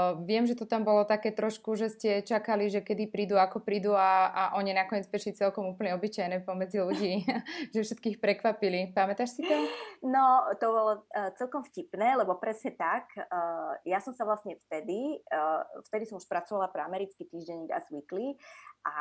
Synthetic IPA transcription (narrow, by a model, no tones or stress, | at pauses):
ʋɪɛmʒɛt̪ɔt̪ambɔlɔt̪akɛːt̪ɾɔʃkuʒɛscɛt͡ʃakaliʒɛkɛd̪ipɾiːd̪uakɔpɾiːd̪uaʔaʔɔɲinakɔɲɪɛd͡zbɛʃlit͡sɛlkɔmuːpl̩ɲɛɔbit͡ʃajnɛːpɔmɛd͡ziluɟiːʒɛfʃɛt̪̚kiːxpɾɛkʋapilipamɛt̪aʃsit̪ɔnɔt̪ɔbɔlɔt͡sɛlkɔmfcipnɛːlɛbɔpɾɛsɲɛt̪ak | jasɔmsaʋlasɲɛft̪ɛd̪i | ft̪ɛd̪isɔmuʃpɾat͡sɔʋalapɾɛamɛɾit͡skit̪iːʒɟɛɲiɡa̰zʋikliʔa